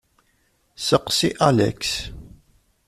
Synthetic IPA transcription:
səqsiʔalæ̰ks

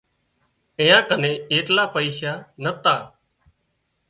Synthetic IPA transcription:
ɪ̃jãːkənẽːeːʈlaːpəiːʃaːnət̪aː

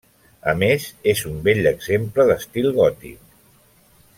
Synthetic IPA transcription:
ə̰mezezumbeʎəɡzempləðəst̪ilˠɣɔt̪ḭk̚

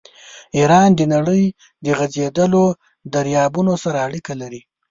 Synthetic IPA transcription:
iɾɑnd̪ənaɽəj | d̪əɣazed̪əlo | d̪aɾjɑbunosaɾaːɽikalaɾi

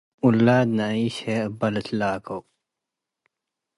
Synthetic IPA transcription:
ulːaːd̪naiːɕeəbɐlət̪laːkɐw

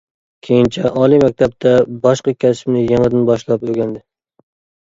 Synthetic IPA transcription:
kʲʰejɪnt͡ʃʰaʔɒlˠimak̚ʲt̪ʰap̚t̪ʰabɒʃqɑkʲʰasɪmnɪjɪŋɨd̪anbɒʃlˠɒpoɡʲand̪ɪ

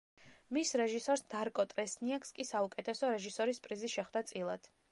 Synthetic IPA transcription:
misɾɛʒisɔɾsd̪̥aɾkʼɔt̪ʼɾɛsniakskʼisaukʼɛt̪ʰɛsɔɾɛʒisɔɾispʼɾiziʃɛχwd̪at̪sʼilˠad̪̥ʰ

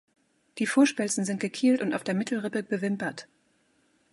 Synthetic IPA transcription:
d̥iːfoːɐʃpɛlt͡sn̩zɪnt̚ɡ̥əkʰiːltʊntaʊfd̥eːɐmɪtʰl̩ʁɪpəbəvɪmpɐt

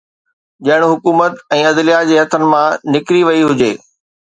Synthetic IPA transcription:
d͡ʑɐɦɪɽ̃̆ɦʊkuːmət̪ɛ̃ːɐd̪lijad͡ʑeːɦɐt̪ʰənɪ̆mãnɪkɾiʋɐiɦʊd͡ʑeː

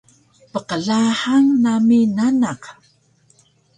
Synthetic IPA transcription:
pəqəɮaħaŋnaminanaq

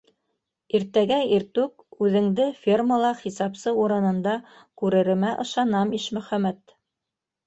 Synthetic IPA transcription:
iɾt̪æɡæiɾt̪ʉk̚ | ʉðɘ̆ŋd̪ɘfʲirməlˠɑχisɑpsɤuɾɤ̆nɤ̆nd̪ɑ | kʉɾɘ̆ɾɘ̆mæʔɤ̆ʃɑnɑmiʃmɵ̆χæmæt̪

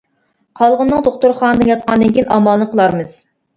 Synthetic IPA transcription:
qʰɑlˠʁənːɨŋd̪oχt̪uɾχɑnɨd̪ɨnjɑt̪̚qɑnd̪ɪŋkʲinʔɑmɑlˠnəqʰəlˠɑɾmɨz̥

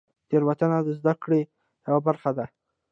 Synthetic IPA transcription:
t̪eɾwat̪anad̪əzd̪akɽe | jawabaɾxad̪a

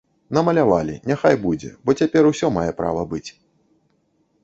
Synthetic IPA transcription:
nɐmɐlʲavalʲḭnʲaxajbud͡zʲɛ̰bɔt͡sʲapʲɛɾusʲɔmajɛpɾa̰vɐbɨt͡sʲ

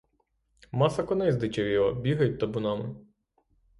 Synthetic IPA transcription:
mɑsɐkɔnɛzd̪ɪt͡ʃɐʋʲiʋɐbʲiɦɐjʲt̪ɐbʊnɑmɪ

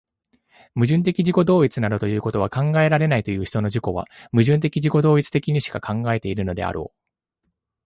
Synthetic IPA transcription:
mɯ̟ʑɨ̃nt̪̬e̞kʲiʑiko̞d̪o̞ːit͡sɨnad̪ot̪o̞jɯ̟ːko̞t̪o̞β̞akãŋɡae̞ɾaɾe̞nait̪o̞jɯ̟ːçi̥t̪o̞no̞d͡ʑiko̞βa̰mɯ̟ʑɨ̃nt̪̬e̞kʲiʑiko̞d̪o̞ːit͡sɨ̥t̪e̞kʲiɲ̟iɕi̥kakʰãŋɡae̞t̪e̞iɾɯ̟no̞d̪e̞̰a̰ɾʔo̞̰ː

